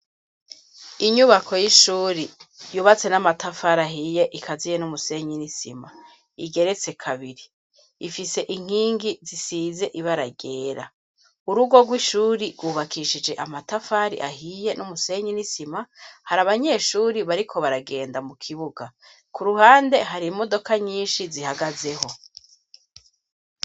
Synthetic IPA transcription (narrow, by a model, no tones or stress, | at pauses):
iɲuβako̞jiʃuːɾijuβat͡se̞namatafaɾaɦije̞ʔikʰazijenumuse̞ɲinisḭma | iɡe̞ɾet͡se̞kʰaβiɾiː | fise̞ʔiŋ̥hiːŋɡizisize̞ʔiβaɾaɡe̞ːɾa̰ | uɾuɡo̞ɡwiʃuːɾiɡɡwuːβakʰiʃid͡ʒe̞ʔamatafaɾḭʔaɦije̞numuse̞ɲinisimahaɾaβaɲe̞ːʃuːɾiβaɾikʰo̞βaɾaɡe̞ːndamukʰiβuɡa | kuɾuhaːnde̞ɦaɾimo̞do̞kaɲiːnʃizihaɡaze̞ho̞